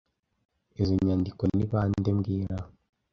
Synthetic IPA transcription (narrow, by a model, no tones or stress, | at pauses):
ezoɲaːndikoniβaːndemɡiːɾaho